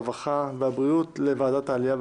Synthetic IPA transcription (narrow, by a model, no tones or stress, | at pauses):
vaχavehabʁiut̪levaːd̪at̪haːlijav